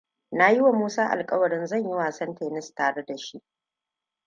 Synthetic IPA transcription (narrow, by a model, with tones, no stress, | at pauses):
na˨jɪ˦wa˨muː˦saː˦ʔa̰˨lkʼɐ˦wɐ˨ɽɪ˦nzɐ˦˨ɲji˦waː˨sɐ˦nteː˨nɪ˦staː˨ɽe˦da˨ʃi˦ʔ